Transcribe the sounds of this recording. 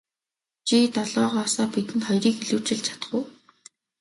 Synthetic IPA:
t͡ɕit̪ɔɮɔːʁɔːsɔːpit̪ɘ̆nχɔjɾiːkxiɮuːt͡ɕɪ̆ɮt͡ɕʰḁt̪ə̥̆ɡuː

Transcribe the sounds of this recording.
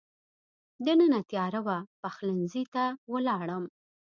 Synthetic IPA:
d̪ənənat̪jɑɾawapaxlənzit̪awəlɑɽəm

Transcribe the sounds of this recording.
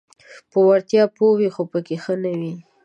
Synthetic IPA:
pəwaɾt̪jɑpowixopəkexənawi

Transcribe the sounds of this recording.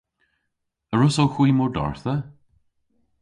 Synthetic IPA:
əɹʊsowxw̥iːmʊɹdɔ̰ɹθə

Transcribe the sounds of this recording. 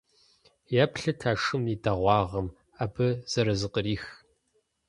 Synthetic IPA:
jaːpɬɐtʰaːʂɨmidɐʁʷɑːʁɐm | aːbɨz̥ɐɾɐzɨqəɾiːx

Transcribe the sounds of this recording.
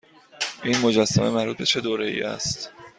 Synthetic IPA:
ʔiːnmo̞d͡ʒæsːæ̰me̞mæɾbuːt̪̚be̞t͡ʃʰe̞d̪oːɾe̞jḭːʔæ̰st̪

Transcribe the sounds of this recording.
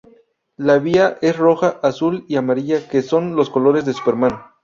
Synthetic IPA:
laβiaʔe̞sro̞xaʔasuliamaɾiʝake̞so̞nlo̞sko̞lo̞ɾe̞zðesu̥pe̞ɾmano

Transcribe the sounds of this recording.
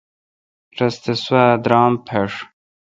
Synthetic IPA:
ʈ͡ʂɐst̪eswad̪ɾɑːmpʰeʂ

